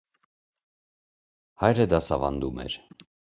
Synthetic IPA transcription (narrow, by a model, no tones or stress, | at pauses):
hɑjɾəd̪ɑsɑvɑnd̪umɛ̰ɾ